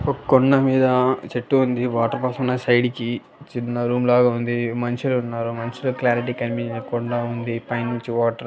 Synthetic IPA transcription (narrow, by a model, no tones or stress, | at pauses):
okkɔɳɖɐmiːd̪ɐt͡ʃeʈːuund̪iʋaːʈɐɾpaːsɐmunːɐsɐjɖiki | t͡ʃinːɐɾuːmlaːɡaːund̪imɐnt͡ʃulounːaːɾumɐnt͡ʃiloklaːɾiʈ̬iːkɐmbiːnɐɐkɔɳɖɐund̪ipɐjnnunt͡ʃiʋaːʈɐɾ